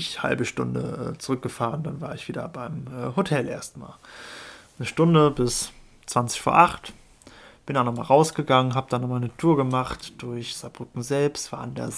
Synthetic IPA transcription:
ɪçha̰lbəʃtʊndə̰ʔɛ̰ːt͡suʁʏk̚ɡ̥əfaːʁəndanvaːɐɪçv̥iːdɐ̰baɪmʔɛːhotʰɛlʔḛːɐstma̰ːl | nəʃtʊndəbɪs | t͡sv̥ant͡sɪ̥çfuːɐʔaχt | b̥ɪndabnɔχmaːlʁaʊsɡ̥əɡaŋənɦaːbəd̥anɔχmaːlnətʰuːɐɡəmaχtd̥ʊɐçz̥ab̥ʁʏkŋ̩zɛlpstv̥a̰ːandḛɐ

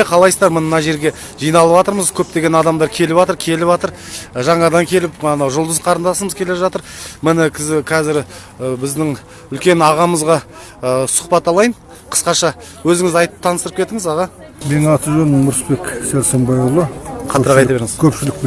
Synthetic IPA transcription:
qʰɑlˠɑjsd̪ɑɾmənənɑʒe̞ɾɡʲe̞ | ʒijnɑlˠəpɑt̪əɾməzkʲʰɵp̚t̪e̞ɡʲe̞nɑd̪ɑmd̪ɑɾkʲʰe̞lɪbɑt̪əɾkʲʰe̞lɪpwɑt̪əɾ | ʒɑɴɑd̪ɑŋkʲʰe̞lɪpnoʒʊlˠd̪əzqʰɑɾənd̪ɑsəməzkʲʰe̞le̞ʒɑt̪əɾmɪnɪkʲʰɪzɪkʲʰæzɪɾ | bɪzd̪ɪŋ | ʏlkʲe̞nɑʁɑməzʁɑ | sʊ̥χpɑt̪ːɑlˠɑjən | qʰə̥sqɑʃɑ | wɵzɪŋɪzɑjt̪əp̚t̪ʰɑnəst̪əɾəpkʲʰe̞t̪ɪŋɪzɑʁɑ | menɑt̪əʒɵnmʊɾspe̞ksælʲsembɑjulˠəqʰɑt̪əɾʁɑɑjt̪ɑbeɾɪŋɪzkʲʰɵpʃɪlɪk̚p

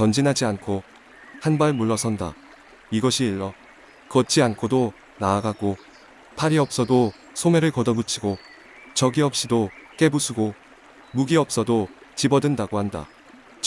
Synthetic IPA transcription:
t͡ɕʌnd͡ʑinɦad͡ʑiankʰo | hanbaɭmuɭːʌsʰʌnda̰ | iɡʌɕʰiːɭːʌ | kʌt͡ɕʰiankʰodo | naːɡaɡo | pʰaɾiʌp̚s͈ʌdo | sʰomeɾɯɭkʌdʌbut͡ɕʰiɡo | t͡ɕʌɡiʌp̚ɕ͈idok͈e̞busʰuɡo | muɡiʌp̚s͈ʌdot͡ɕibʌdɯndaɡohanda̰

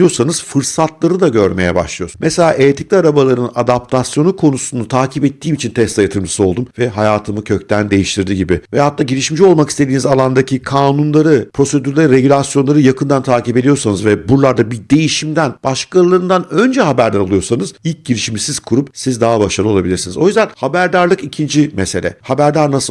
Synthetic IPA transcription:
ijo̞sanɯz̥fɯɾsat̪lˠaɾɯd̪aɟø̞ɾme̞jɛ̰ba̰ʃlˠijo̞ɾsmɛselʲaːʔeːt̪ʰi̥clʲiaɾabalˠaɾɯnad̪ap̚t̪ʰasjo̞nukʰo̞nusunut̪ʰaːcʰipɛt̪ʰːiːmit͡ʃʰint̪ʰɛst̪ajat̪ʰɯɾmd͡ʒʰɯ̥sɯo̞lˠd̪umvɛɦajaːt̪ʰɯmɯcʰøc̚t̪ʰænd̪e̞jiʃt̪ʰiɾd̪iɟibɪvɛhat̪ːaːɟiɾʲiʃimid͡ʒio̞lˠmakist̪ʰe̞d̪iːnizalˠand̪acʰikʰaːnunlˠaɾɯpʰɾo̞se̞d̪yɾlʲˠeɾɾe̞ɟylʲasjo̞nlˠaɾɯjakʰɯnd̪ant̪ʰaːcipe̞d̪ijo̞ɾsanɯzvɛbuɾlˠaɾd̪abid̪e̞jiʃimd̪ænb̥aʃkʰalˠaɾɯnd̪anø̞nd͡ʒɛɦabæɾd̪aɾalˠujo̞ɾsanɯzil̚ʲɟiɾiʃimisiz̥kʰuɾup̚sizd̪aɦabaʃaɾlˠɯo̞lˠabilʲiɾsinizo̞jyzd̪ænhabæɾd̪aɾlˠɯkicʰind͡ʒimese̞lʲɛ̰habæɾd̪aɾnasɯ

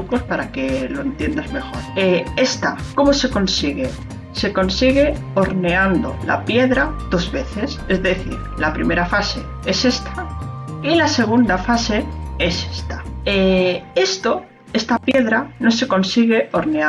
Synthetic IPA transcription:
uko̞spaɾake̞lo̞ent̪je̞nd̪azme̞xo̞ɾee̞st̪ako̞mo̞se̞ko̞nsiɣe | se̞ko̞nsiɣe̞ | o̞ɾne̞and̪o̞̰la̰pje̞ðɾað̥o̞zβe̞θe̞se̞zðe̞θḭɾlapɾime̞ɾafase̞ | e̞se̞st̪ʰailase̞ɣ̞und̪afase̞e̞se̥st̪ḁee̞st̪o̞ | e̞st̪apje̞ðɾano̞se̞ko̞nsiɣe̞o̞ɾne̞a

